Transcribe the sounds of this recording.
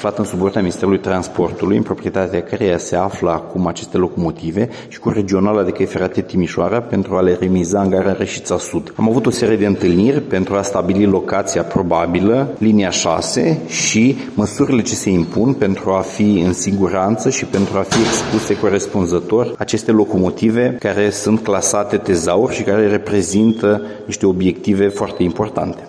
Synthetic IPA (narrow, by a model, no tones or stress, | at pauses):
flat̪ɨnsupo̞rt̪eaminist̪eɾulujt̪ɾanspo̞rt̪ulujɨ̰mpɾo̞pɾiet̪at̪eakəɾejase̞afləakumat͡ʃe̞st̪e̞lo̞ko̞mo̞t̪ive̞ | ʃi̥kure̞d͡ʒio̞nalad̪e̞kəjfeɾat̪et̪imiʃoaɾape̞nt̪ɾuale̞remizaɨŋɡaɾareʃi̥t̪sasud̪amavut̪o̞se̞ɾije̞d̪e̞ɨnt̪ɨlnirʲpe̞nt̪ɾuast̪abililo̞kat̪sijapɾo̞babiləliniaʃa̰se̞̰ʃi | məsuɾile̞t͡ʃe̞se̞impunpe̞nt̪ɾuafiɨnsiɡuɾant̪səʃipe̞nt̪ɾuafie̞kspluse̞ko̞ɾe̞spunzət̪o̞rʲat͡ʃe̞st̪e̞lo̞ko̞mo̞t̪ive̞kaɾe̞sunt̪̚klasat̪e̞t̪e̞zaurʲʃikaɾe̞re̞pɾe̞zint̪əniʃt̪e̞o̞bje̞kt̪ive̞foart̪e̞impo̞rt̪a̰nt̪e̞̥